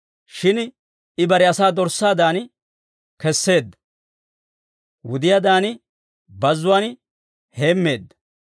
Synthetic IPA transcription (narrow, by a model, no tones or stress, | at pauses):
ʃɪn | ɪbɐɾɛɐsaːd̪ɔɾsaːd̪aːn | kɛsːe̞ːd̪ːɐ | wʊd̪ɪjad̪aːn | bɐzːʊwan | he̞ːmːe̞ːd̪ːɐ̥